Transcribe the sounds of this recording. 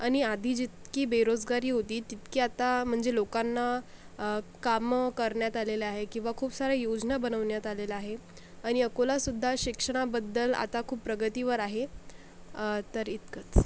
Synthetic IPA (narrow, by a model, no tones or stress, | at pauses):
aɽ̃iad̪ʱiːd͡ʑit̪kiːbeɾod͡zɡaɾiːɦot̪iːt̪it̪kiːat̪am̤əɳd͡zelokanːa | kamkəɾɳjat̪aleleaɦekĩw̃ʋakʰuːpsaɾajod͡znabənəʋɳjat̪alelaaɦe | aɽ̃iəkolasud̪ʱːaɕikʂəɽ̃abəd̪ːəla̰t̪akʰuːppɾəɡət̪iʋəɾaɦe | t̪əɾit̪kət͡s